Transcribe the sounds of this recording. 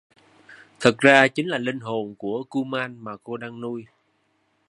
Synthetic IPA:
t̪ʰə˨˩k̚zaː˧t͡ɕï˨˦ŋ̟laː˨˩lï˧ŋ̟ɦo˨˩nku˧˩əku˧maː˧nmaː˨˩ko˧ɗaː˧ŋnu˧j

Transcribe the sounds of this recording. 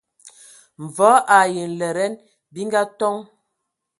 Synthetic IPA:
ɱ̩˨vɔ˨˦ʔa˨je˨n̩˨lɛ˨ɾɛ˦n | bi˦ŋɡa˦tɔ˦ŋ

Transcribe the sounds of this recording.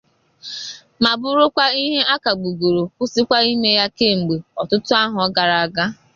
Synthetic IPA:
ma˨bʊ˦ɾʊ˦kʷa˦i˦ɦe˦ʔa˦ka˨ɡ͡bu˨ɡo˨ɾo˨kʊ˦sɪ˦kʷa˦i˦me˦ja˦ke˦˨ŋ͡m̩˨ɡ͡be˨ɔ˨tʊ˦tʊ˦a˦ɦʊ˨ɔ˦ɡa˨ɾa˨a˨ɡa˦

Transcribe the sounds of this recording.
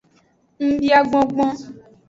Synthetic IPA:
ŋ̩˦bi˦a˦ɡ͡bɔ̃˦ɡ͡bɔ̃˦

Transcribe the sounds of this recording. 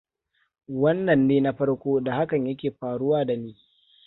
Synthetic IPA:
wɐ˦nːɐ˨nːeː˦na˦ɸɐ˦ɽkʷoː˦da˨ha˦kɐ˨ɲjɐ˦kʲeː˨ɸaː˨ɽʊ˦waː˦da˨niː˦

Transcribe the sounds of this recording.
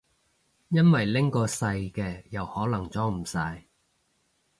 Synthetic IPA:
jɐ˥nwɐ˨jlɪ˥ŋkɔː˧sɐ˧jkɛː˧jɐ˨˩whɔː˨˥lɐ˨˩ŋt͡sɔː˥ŋm̩˨˩sɐ˧j

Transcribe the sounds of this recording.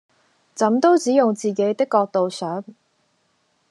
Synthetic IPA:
t͡sɐ˨˥mt̪o˥wt͡siː˨˥jʊ˨ŋt͡siː˨˩ke˨˥jt̪ɪ˥kːɔː˧k̚t̪o˨wsœː˨˥ŋ

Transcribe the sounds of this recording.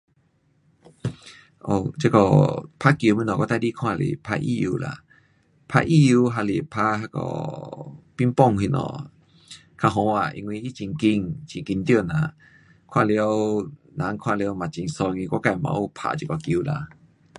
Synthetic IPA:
ʔo˧t͡ɕe˦kɔ˧pʰa˧˦ki˧˨mĩ˧˦nɔ̃˨kɔ˧t̪a˧˨di˦kʰw̃ã˦˧˨lḭ˨pʰa̰˧ʔḭ˧˨ju˧la̰˧˨ | pʰa̰˧ʔi˧˨u˧ɦa˧˨li˨pʰa˧ɦa˧kɔ̰˧˩ | pi˦npɔ˥˧˨ŋɦi˧nɔ̰̃˧˨ | kʰa˧ɦɔ̃˧a˨ʔḭ˧ŋwi˧hi˦t͡ɕi˨ŋki˧ŋt͡ɕi˨ŋki˧nt̪jo˧˨nã˨ | kʰw̃ã̰˦˧˨li˧ə˧wnã˨˦ŋkʰw̃ã˥˧le˧ə˧˦wmã˨t͡ɕi˨ŋsɔ˧ŋĩ˧kʷa˦ka˧˨mã̰˧˦o˧˨pʰa̰˧ʔt͡ɕi˧˦˧kɔ˧˨ki˧˨˦la̰˧

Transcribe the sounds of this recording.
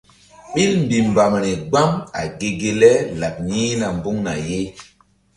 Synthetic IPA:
ɓi˦lmbi˨m˨ba˨m˨ni˨ɡ͡ba˦ma̰˨ɡe˦ɡe˦lɛ˦la˨p̚niː˦na˨mbu˦ŋna̰˨je˦

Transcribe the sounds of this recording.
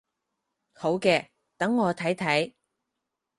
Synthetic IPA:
ho˨˥wkɛː˧ | t̪ɐ˨˥ŋːɔː˨˧t̪ʰɐ˨˥jt̪ʰɐ˨˥j

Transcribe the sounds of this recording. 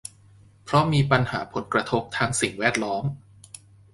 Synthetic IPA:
pʰɾɔ˦˥miː˧pa˧nhaː˩˦pʰo˩˦nkɾa˧t̪ʰo˦˥p̚t̪ʰaː˧ŋsi˨˩ŋwɛː˥˩t̪̚lɔː˦˥m

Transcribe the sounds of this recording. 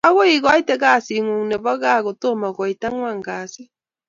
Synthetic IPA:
a˦ɣo˦i˦˨ɣa˨˦i˦tɛ˦ɣa˦˨si˨ŋu˨ŋ˨nɛ˨βɔ˦ɣa˦˨ɣo˨to˦˨ma˨ɣɔ˨i˨ta˦ŋwa˦˨ŋɡa˨si˦

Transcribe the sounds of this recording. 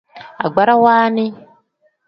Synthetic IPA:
a̰˨ɡ͡ba˦ɾa˦waː˦ni˦

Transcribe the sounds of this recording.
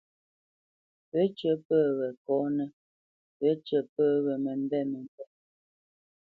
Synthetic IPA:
pə˦t͡ʃə˨˦pəː˦˨wɛ˨kɔ˨˦nə˦ | pə˦t͡ʃə˨pəː˦˨wɛ˨mə˨m˦bɛ˦˨mə˨m˨pɛ˦

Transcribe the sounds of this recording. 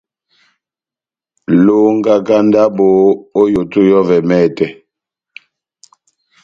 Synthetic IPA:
lo˦ŋ˦ɡa˦ka˦nda˦bo˨o˦jo˨tu˦jɔ˦vɛ˨mɛ˦˨tɛ˨

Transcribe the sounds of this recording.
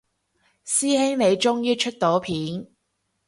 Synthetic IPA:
siː˥hɪ˥ŋne˨˧jt͡ʃʊ˥ŋjiː˥t͡ʃʰɵ˥t̚t̪o˨˥wpʰiː˨˥n

